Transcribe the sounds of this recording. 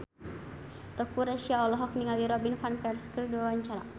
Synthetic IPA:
t̪ɔkuɾaʃiaɔlɔɦɔk̚niŋaliɾɔbinfanpɛrskərduawaɲt͡ʃaɾa

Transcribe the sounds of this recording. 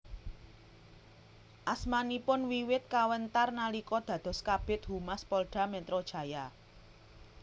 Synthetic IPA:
ʔasmanipʊnwiwɪt̪̚kawənt̪arnalikɔd̪̥ä̤d̪̥ɔ̤skab̥ɪ̤t̪̚humaspɔlɖ̥a̤mɛt̪ɾod̥ʒ̥ä̤ja

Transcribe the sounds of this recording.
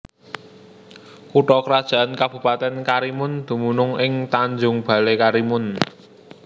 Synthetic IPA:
kuʈɔkəɾad̥ʒ̥a̤ankab̥ṳpat̪ɛnkaɾimʊnd̪̥ṳmunʊŋɪŋt̪aɲd͡ʒʊŋb̥a̤lekaɾimʊn

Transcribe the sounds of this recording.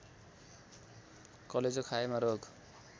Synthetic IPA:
kʌled͡zokʰaemaɾoɡ

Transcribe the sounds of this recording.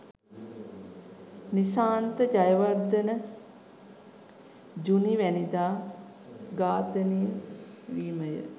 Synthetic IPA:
nisaːnt̪əd͡ʒajəʋard̪ənə | d͡ʒuniʋænid̪aː | ɡaːt̪ənijə | ʋiːməjə̰

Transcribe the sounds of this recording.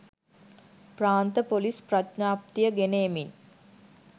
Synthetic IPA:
praːnt̪əpolisprat̪naːpt̪ijəɡeneːmin

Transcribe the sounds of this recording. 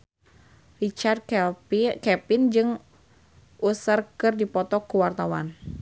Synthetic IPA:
rit͡ʃard̪̚ | kɛpɪnd͡ʒɨŋ | ʔusərkɨrdipɔt̪ɔkuwart̪awa̰n

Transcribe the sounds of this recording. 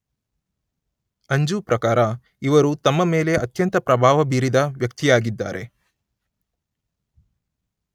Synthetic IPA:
ɐɲd͡ʒupɾɐkaːɾɐ | iʋɐɾut̪ɐmːɐmeːle̞ʔɐt̪jɐnt̪ɐpɾɐbʱaːʋɐbiːɾid̪ɐʋjɐk̚t̪ijaːɡid̪ːa̰ːɾʔe̞

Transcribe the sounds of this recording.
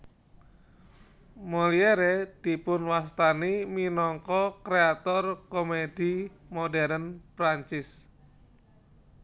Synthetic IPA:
molieɾed̪̥i̤pʊnwast̪animinɔŋkɔkɾeat̪ɔrkomed̥i | modɛɾənpɾaɲt͡ʃɪs

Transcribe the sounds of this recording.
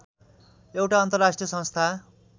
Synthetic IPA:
ewʈaʌnt̪ʌrasʈrijʌsʌ̃nst̪ʰa

